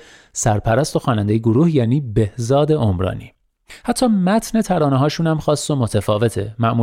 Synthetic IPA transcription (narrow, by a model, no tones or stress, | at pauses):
sæɾpʰæɾæst̪o̞xɒːnænd̪ejeɡoɾuːhjæːniːbe̞hzɒːd̪e̞ʔomɾɒ̰ːnḭː | hæt̪ʰːɒːmæt̪ʰne̞t̪ʰæɾɒːneɦɒːʃuːnæmxɒːsːo̞mot̪ʰæfɒːve̞t̪ʰe̞̰mæʔmuː